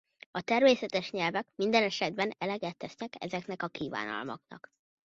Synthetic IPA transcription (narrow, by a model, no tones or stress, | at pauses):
ɒt̪ɛrmeːsɛt̪ɛʃɲɛlvɛkmind̪ɛnɛʃɛd̪̚bɛnɛlɛɡɛt̪ːɛsnɛkɛ̰zɛkn̪ɛkɒkiːva̰ːnɒ̰lmɒ̰knɒ̰k